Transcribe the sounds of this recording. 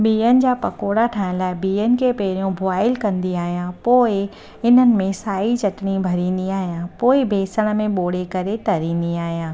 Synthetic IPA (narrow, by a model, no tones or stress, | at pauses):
biːənɪ̆d͡ʑaːpɐkoːɽaʈʰaːɪ̃nlaːɪbiːənɪ̆kʰepɛːɾijõbʱʊaːɪlkɐ̃nd̪iaːɦijãpoːɪ | ɪn̤ənɪ̆mẽsaːit͡ɕɐʈɽibʱɐɾĩːn̆d̪iaːɦijãpoːɪbʱeːsəɽ̃̆mẽɓoːɽ̤ekɐɾet̪ɐɾĩːn̆d̪iaːɦijãː